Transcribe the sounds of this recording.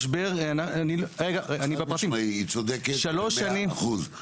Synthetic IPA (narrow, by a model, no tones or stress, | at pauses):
ʃbeʁanaanilʁeɡaeanibepʁat̪imit͡sod̪eketʃaloʃanimχul